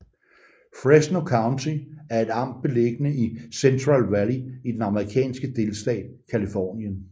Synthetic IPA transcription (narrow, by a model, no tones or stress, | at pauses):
fʁesnokʰɑ̈ʊnt͡sʰiæɐe̝d̥ɑ̈m̰d̥̚b̥e̝le̝ɡ̥ənəisent͡sʰʁɑlʋæliid̥enɑ̈məʁikʰɛ̰ːnsɡ̥əd̥e̝lsd̥ɛ̰ːd̥kʰælifɒ̰ːnjən